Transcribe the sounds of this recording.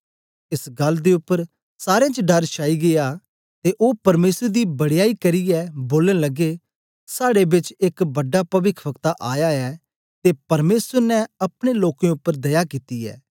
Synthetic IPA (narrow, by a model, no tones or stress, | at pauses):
ɪsɡɐlːd̪eʊpːəɾ | saːɾeãt͡ʃəɖɐɾʃʰaːiɡeja | t̪eʔoːpɐɾmeːsəɾd̪ibɐɽɪjaːikɐɾijɛboːlə̃nləɡe | saːɽebɪt͡ʃɪkbɐɖːapɐʋɪkʰbəkt̪aʔaːjaɛː | t̪epɐɾmeːsəɾnɛ̃ɐpɽ̃eloːkẽʊpːəɾd̪ɐjakit̪iɛ̰ː